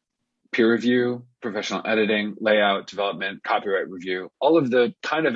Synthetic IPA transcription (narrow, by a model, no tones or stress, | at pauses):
pʰɪɹɨvjʉpʰɹ̥ɨfɛʃnl̩ˠɛɾɨɾɪ̃ŋleɪaʊt̚d̥ɨvɛlˠəp̚mɨ̃nkʰɑpiɹaɪʔ̚ɹivjʉɔlˠʌvðɨkʰãɪ̃ndʌv